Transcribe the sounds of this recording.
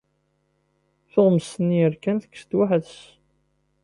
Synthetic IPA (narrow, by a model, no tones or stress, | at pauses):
θoʁməsənjəɾkænθə̥kːst̪waħəðs